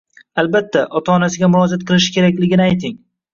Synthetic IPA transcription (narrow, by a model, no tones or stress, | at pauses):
albat̪ʰːaʔɒt̪ʰaɒnasɪɡʲamʊɾɒd͡ʒat̪̚qʰɨlˠɪʃ̬ɪ̥kʲe̞ɾakʲlɪɡʲɪnɪajt̪ʰɪŋ